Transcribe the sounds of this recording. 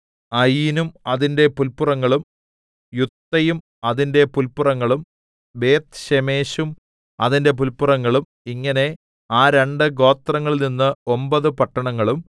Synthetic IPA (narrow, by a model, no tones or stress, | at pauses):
ɐjinumɐðinde̞pulpːurɐŋːɐɭum | jut̪ːɐjum | ɐðinde̞pulpːurɐŋːɐɭum | beːt̪ɕeme̞ːɕum | ɐ̰ðinde̞p̬ulpurɐŋːɐɭum | iŋːɐne̞ | aːɾe̞ɳɖɨɡo̞ːt̪rɐŋːɐɭninːɨombɐðɨpɐʈːɐɳɐŋːɐɭum